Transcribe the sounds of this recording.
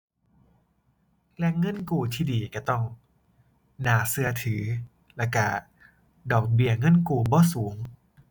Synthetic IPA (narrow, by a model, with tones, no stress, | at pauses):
lɛ˦˧˥ŋɤ˥˨nkuː˧˩t̪ʰiː˥˩diː˨˩ka˧˩t̪ɔ˥˩ŋ | naː˨˩˦sɯ˧˩ɐt̪ʰɯː˩˦ | lɛ˧˩ka˧˩ | dɔː˨˩k̚bi˧˩ɐŋɤ˧˥˨nkuː˨˩bɔː˧˥˦suː˨˩˦ŋ